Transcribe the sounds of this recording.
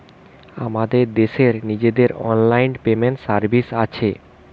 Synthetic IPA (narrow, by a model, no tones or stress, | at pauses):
a̰mad̪eɾd̪eʃeɾnid͡ʑed̪eɾɔ̰nlajnpemenʈsaɾbisat͡ɕʰe